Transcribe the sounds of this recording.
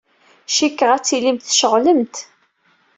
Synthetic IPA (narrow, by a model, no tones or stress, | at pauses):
ʃikːəʁæt͡sːilimt̪θʃəʁləmt̪